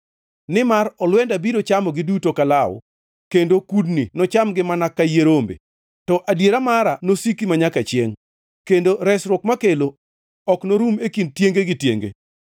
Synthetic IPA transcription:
nɪmaɾɔlwɛndabiɾot͡ʃamɔɡɪdutokalaw̰ | kendokudninɔt͡ʃamɡɪmanakːajeɾombḛ | tɔʔadjeɾamaɾanosikimaɲakat͡ʃjeŋ | kendoɾɛsɾwɔkmakelo | ɔknoɾumekintjeŋɡeɡɪtjḛŋɡḛ

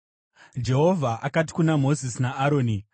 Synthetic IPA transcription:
d͡ʒe̞ɦo̞vʱaʔakati̥kunamo̞zisinaaɾoːni

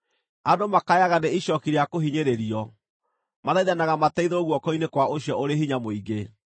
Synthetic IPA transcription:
adomakajaɣaneiɕɔkiɾeakoɦiɲeɾeɾiɔ | maðaiðanaɣamatɛiðooɣwɔkɔinekwaoɕjɔʔoɾeɦiɲamoiɣɡe

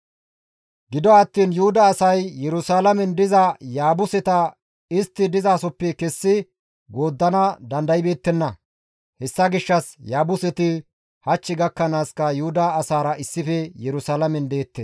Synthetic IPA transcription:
ɡɪd̪ɔɐt̪ːiːnjʊhʊd̪ɐːsɐjjɛɾʊsaːlɐmɛnd̪ɪzɐjaːbʊsɛt̪ɐ | ɪst̪ːɪd̪ɪzaːsɔpːɛkɛsːɪ | ɡo̞ːd̪ːɐnɐd̪ɐnd̪ɐjbe̞ːt̪ːɛnːɐ | hɛsːɐɡɪʃːɐsjaːbʊsɛt̪ɪ | hɐt͡ʃːɪɡɐkːɐnaːskɐjʊhʊd̪ɐːsaːɾɐʔɪsːɪfɛjɛɾʊsaːlɐmɛnd̪e̞ːt̪ːeː

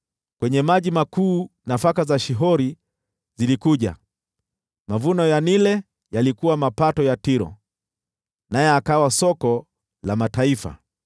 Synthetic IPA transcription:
kwɛɲɛmaʄimakuːnafakazaʃiɦɔɾi | zilikuʄa̰ | mavunɔjanilɛ | jalikuwamapatɔjatiɾɔ̰ | najɛakawasɔkɔ | lamataifa̰

